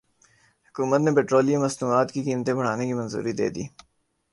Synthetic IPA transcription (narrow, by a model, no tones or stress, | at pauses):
hʊkuːmət̪nepeːʈɾoːlijemɐsnuːaːt̪kikiːmt̪ẽbɐɽ̤aːnekimɐ̃nzṵːɾid̪ḛːd̪ḭː